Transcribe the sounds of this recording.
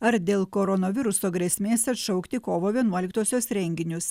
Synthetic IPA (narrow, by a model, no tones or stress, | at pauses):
ɐɾd̪ʲeːlˠkoːɾɔnɐʋʲɪɾʊsoːɡɾʲɛsʲmʲeːsʲɐt̪ʃɐʊkt̪ʲɪkoːʋoːʋʲiɛnuɔlʲɪkt̪oːsʲoːsɾʲɛŋʲɡʲɪnʲʊs